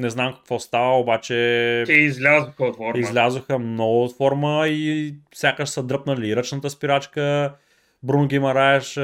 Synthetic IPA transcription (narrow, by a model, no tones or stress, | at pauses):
nɛznamkɐ̥kvɔst̪avəobat͡ʃɛɛizlʲazʊxəot̪fɔɾizlʲazoxəmnɔɡʊːt̪fɔɾməisʲjakəʃsɐd̪ɾɤpnəliɾət͡ʃnət̪əspiɾat͡ʃkə | bɾunʊɡʲimɐɾaɛʃ